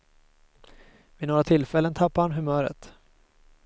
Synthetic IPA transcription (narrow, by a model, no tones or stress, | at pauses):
vɪnoːɡɾat̪ʰɪlːfɛlːənt̪ʰapːaanɦɵmœːɾə̰t̪